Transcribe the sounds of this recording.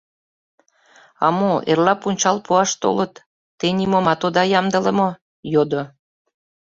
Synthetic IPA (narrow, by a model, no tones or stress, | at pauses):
ɑ̰moʔḛrlɑpunʲt͡ɕɑlpuɑʃt̪o̰lət̪ː | enʲimomɑt̪od̪ɑjɑmd̪ələmo | jod̪o